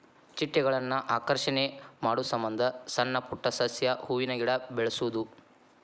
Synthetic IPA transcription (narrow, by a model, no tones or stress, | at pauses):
t͡ʃiʈːɛɡɐɭɐnːɐʔaːkɐɾʂɐnemaːɽusɐmbɐnd̪ʱɐsɐnːɐpuʈːɐsɐsjɐhuːʋinɐɡiɽɐbɛɭɐsuʋud̪u